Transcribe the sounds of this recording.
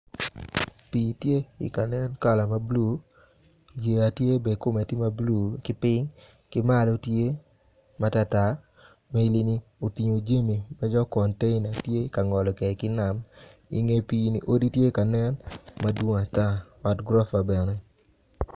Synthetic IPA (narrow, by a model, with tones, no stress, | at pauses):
piː˨tje˦ḭ˨ka˨nɛ˦nka˨la˨ma˦blu˦ | je˨a˨tje˦be˨ko˦me˨ti˦ma˦blu˦˨kɪ˦pɪ˦ŋ | kɪ˦ma˦lo˦tje˦ | ma˦ta˦ta˦ | me˦li˦ni˦o˨ti˨ɲo˨d͡ʒe˦mi˨ma˦d͡ʒɔ˦kɔ˨nte˦ɪna˨tje˦ka˨ŋɔ˨lɔ˨kɛ˨kɪ˦na˨˦mḭ˨ŋe˦piː˨nḭ˨ʔo˦di˦tje˦i˦ka˨nɛ˦nma˦dwo˦ŋ˨a˨ta˦ɔ˨tɡɾɔ˦fa˨bɛ˨nɛ˦